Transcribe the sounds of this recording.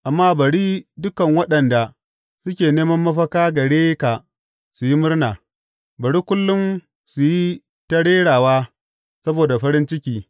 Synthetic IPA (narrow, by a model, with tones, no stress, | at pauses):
ʔa˨mːaː˦bɐ˨ɽiː˦dʊ˦kɐ˨ŋwɐ˦ɗɐ˨nda˨ | sʊ˦kʲeː˨neː˦mɐ˦mːɐ˦ɸɐ˦kaː˦ɡɐ˨ɽeː˦ka˨ | su˨ji˦mʊ˦rnaː˨ | bɐ˨ɽiː˦kʷʊ˦lːʊ˦m | su˨ji˦ | tɐ˦ɽeː˦ɽaː˨waː˦ | sɐ˦boː˨da˨ɸɐ˦ɾɪ˦nt͡ʃɪ˦kʲiː˦